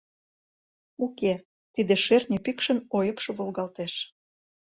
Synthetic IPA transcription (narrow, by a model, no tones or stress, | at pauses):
uke | t̪id̪eʃernʲypikʃə̆nojəpʃŏβolɣɑlt̪eʃ